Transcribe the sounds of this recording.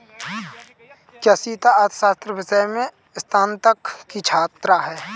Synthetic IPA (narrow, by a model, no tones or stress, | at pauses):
kjɐsiːt̪aat̪ʰsaːst̪ɾəʋɪsəjmẽ | st̪ʰaːnt̪əkːit͡ʃʰaːt̪ɾaɦɛː